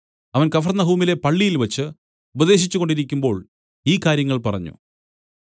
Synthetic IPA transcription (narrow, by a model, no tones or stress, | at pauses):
ɐʋɐnkɐfɐrnːɐɦuːmile̞pɐɭːijilʋɐt͡ɕːɨ | ubɐðe̞ːɕ̬it͡ɕːuɣo̞ɳɖiɾikʲːumbo̞ːɭ | iːkaːɾjɐŋːɐɭpɐrɐ̰ɲːṵ